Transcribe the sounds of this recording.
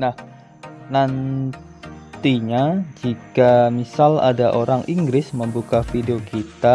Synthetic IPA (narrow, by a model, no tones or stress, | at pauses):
nah | nan | t̪iɲad͡ʒikamisala̰daʔoɾaŋʔiŋɡɾɪsməmbukafideokit̪a